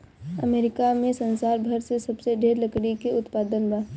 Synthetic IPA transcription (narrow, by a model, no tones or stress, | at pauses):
ə̰meːɾɪkamẽsɐ̃nsaːɾbʱɐɾsesɐbseɖʱeːɾləkɽikeʊt̪paːd̪ənba